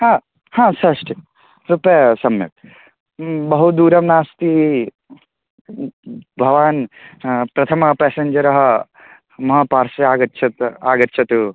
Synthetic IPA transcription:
hãː | hãːsɐʂʈi | ɾupeɐsɐmjɐ̰k̪̚ | bɐɦut̪̚d̪uːɾɐmnaːst̪i | bʱɐʋaːn | pɾɐt̪ʰɐmɐpeːseɲd͡ʒɐɾɐɦɐ | mɐɦɐpaːɾsɐaːɡɐtːʃʰɐt̪aːɡɐt̪ːʃʰɐt̪u

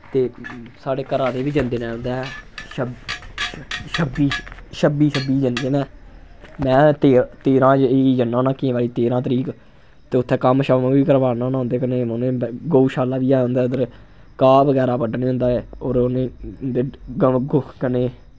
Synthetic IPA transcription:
t̪eːsaːɽeːkəɾãːd̪eːʋiːd͡ʒənd̪eːnɛ̃ːɦʊ̃nd̪ɛːʃəb | ʃəbiːʃəbiːsəbiːd͡ʒənd̪eːnɛː | mɛ̃ːt̪eːt̪eːɾãːd͡ʒeiːd͡ʒənːãːnãːkẽːʋaːliːt̪eːɾãːt̪əɾiːk | t̪eːʊt̪ʰːeːkəmʃəmãːʋiːkəɾʋaːnãːnãːʊ̃nd̪eːkəneːoneːɡouːʃaːlaːʋiːaːɦʊ̃nd̪aːd̪əɾ | kaːbəɡɛːɾaːpəɖneːɦʊ̃nd̪aːɛːoːɾoneːd̪eːɡokəneː

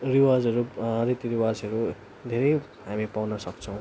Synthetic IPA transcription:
riwad͡zɦʌɾuɾit̪iɾiwad͡zʌɾu | d̪ʱeɾʌj | ɦamipawnʌsʌk̚t͡sʰʌ̃w̃

